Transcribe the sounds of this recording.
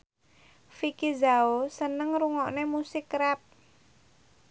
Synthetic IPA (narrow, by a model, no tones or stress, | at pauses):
fikizaosənəŋɾuŋɔʔnemusɪkɾɛp̚